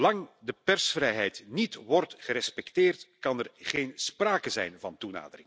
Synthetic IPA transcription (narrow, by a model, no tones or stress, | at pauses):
lɑŋdəpɛrsfrɛjɦɛjtnitʋɔrtχəɾɛspɛktɪːrtkɑnɛrχeːnspraːkəzɛ̰jnvɑntuna̰ːdərɪŋ